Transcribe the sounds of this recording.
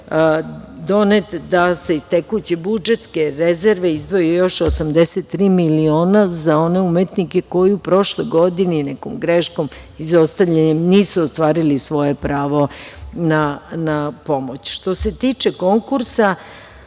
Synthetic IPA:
d̪o̞net̪d̪ase̞ist̪ekujut͡ɕebud͡ʒe̞t̪ske̞ɾeze̞ɾʋe̞izd̪ʋo̞jejo̞ʃosamd̪e̞set̪ːɾiːmilio̞ːnazao̞ne̞umet̪nike̞ko̞jiupɾo̞ʃlo̞jɡo̞d̪ininekomɡɾeʃko̞m | izo̞st̪aʋʎeɲemniːsuost̪ʋaːɾilisʋo̞je̞pɾaːʋo̞nanapo̞mo̞t͡ɕʃt̪o̞se̞t̪iːt͡ʃe̞ko̞ŋkuɾsa

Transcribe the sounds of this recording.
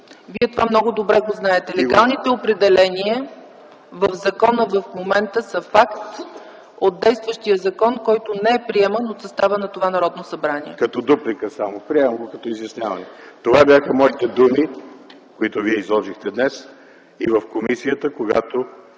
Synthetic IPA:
viɛt̪ovamnɔɡʊd̪obɾɛɡoznaɛt̪ɛlɛɡɡalˠnit̪ɛopɾɛd̪ɛlɛniə | vəfzɐkɔnəvəfmomɛnt̪əsəfakt̪ | ot̪̚d̪ɛjst̪vəʃt̪iəzɐkɔnkɔjt̪onɛɛpɾiɛmənot̪sɐst̪avənɐt̪ovanɐɾɔd̪nosɐbɾaniɛ̰kɐt̪ɔd̪uplikəsamopɾiɛmɐmɡokɐt̪ɔizjɐsnʲavɐnɛt̪ovabjaxəmɔit̪ɛd̪umi | koit̪oviɛizlˠɔʒixt̪ɛd̪nɛs | ḭvəfkomisijət̪əkoɡa̰t̪o

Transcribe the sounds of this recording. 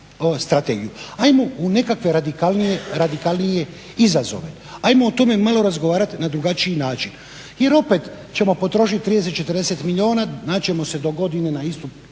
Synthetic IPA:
st̪ɾat̪eːɡijuajmo̞une̞kakʋe̞ɾad̪ikalˠnijeɾad̪ikalnije̞ | izazo̞̰ʋe̞ | ajmoːt̪o̞me̞malo̞ɾazɡo̞ʋaːɾat̪nad̪ɾuɡat͡ʃijinaːt͡ʃin | je̞ɾo̞pe̞t̪ | t͡ɕe̞mo̞po̞t̪ɾo̞ʃit̪̚t̪ɾid̪es̬et̪̚t͡ʃe̞t̪ərɾd̪e̞set̪miʎʲio̞ːnanat͡ʃe̞mo̞se̞d̪o̞ɡo̞d̪ine̞naist̪u

